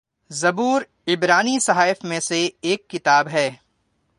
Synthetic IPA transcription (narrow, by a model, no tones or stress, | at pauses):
zɐbuːɾ | ɪbɾaːnisɐɦaːɪfmẽseeːkːɪt̪aːbɦɛː